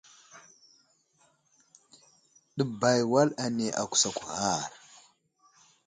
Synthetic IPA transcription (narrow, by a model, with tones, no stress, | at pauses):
ɗə˨ba˨jwa˦la˨ne˨ʔa̰˨kʷu̥˨sa˨kʷu˨ha˦˨ɾ